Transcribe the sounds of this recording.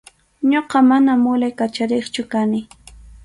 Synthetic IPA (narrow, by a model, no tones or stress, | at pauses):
ɲoqɑmanamʊlajkat͡ʃaɾeχt͡ʃʊkanɪ